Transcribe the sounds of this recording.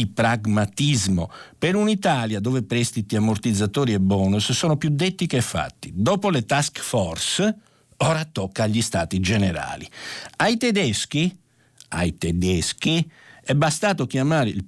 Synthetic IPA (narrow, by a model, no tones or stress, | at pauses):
ipɾaɡmat̪izmo̰peɾunit̪aːljad̪oːvepɾɛst̪it̪iamort̪id̪zːat̪oːɾiɛbɔːnussoːnopjud̪ːet̪ːikefːa̰t̪ːid̪ɔːpolet̪askfɔrs | ɔːɾat̪ːɔkːaːʎːist̪aːt̪id͡ʒeneɾa̰ːliajt̪ɛd̪ɛsk̟i | a̰jt̪ɛd̪ɛskiɛbast̪aːt̪ok̟jamaːɾeil